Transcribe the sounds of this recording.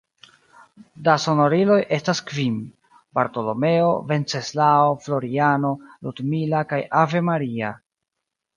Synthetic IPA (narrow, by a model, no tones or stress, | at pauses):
daso̞no̞ɾilo̞jʔe̞staskvim | baɾto̞lo̞me̞o̞ve̞nt͡se̞slaoflo̞ɾiano̞ludmilakajave̞maɾia̰